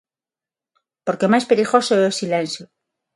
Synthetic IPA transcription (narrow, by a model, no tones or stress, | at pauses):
poɾke̞majspeɾixosoeosilẽnsjo